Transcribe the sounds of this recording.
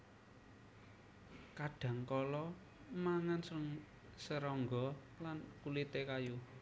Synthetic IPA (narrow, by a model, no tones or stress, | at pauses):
kaɖ̥a̤ŋkɔlɔ | maŋans | səɾɔŋɡɔ | lankulit̪ekaju